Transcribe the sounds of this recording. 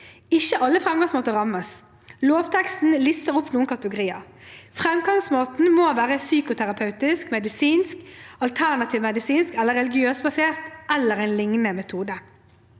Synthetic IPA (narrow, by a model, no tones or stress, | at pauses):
ɪçːəʔɑlːəfʁɛmɡɑŋsmoːt̪əʁɑməs | loːʋt̪ʰɛkst̪n̩lisəʁʊpnuːnkʰɑt̪əɡʊʁiːɑ̰fʁɛmɡɑŋsmoːt̪n̩moːʋæːʁəsyːkʊt̪ʰæʁɑpʰɑʉt̪ɪskmɛd̪ɪsiːnskɑlt̪ʰæʁnɑt̪ʰiːʋmɛd̪ɪsiːnskɛlːəʁɛlɪɡɪøːsbɑseːʁt̪ʔɛlːəʁæɪnlɪŋnəmɛt̪ʰuːd̪ə